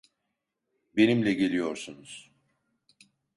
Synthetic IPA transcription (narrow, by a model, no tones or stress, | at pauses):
be̞nimlʲɛɟelʲijo̞ɾsunuz̥